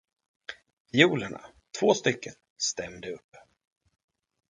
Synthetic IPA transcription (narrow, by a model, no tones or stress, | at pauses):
bɪjuːləɳa̰t̪ʰv̥oːst̪ʏkːən | st̪ɛmd̪əɵpː